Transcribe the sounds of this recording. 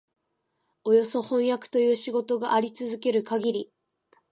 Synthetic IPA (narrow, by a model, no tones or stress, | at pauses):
o̞jo̞so̞hõ̞ɰ̃jakɯ̥t̪o̞jɯ̟ːɕiɡo̞t̪o̞ɡaʔaɾʲit͡sɨzɨke̞ɾɯ̟kaɡʲiɾʲi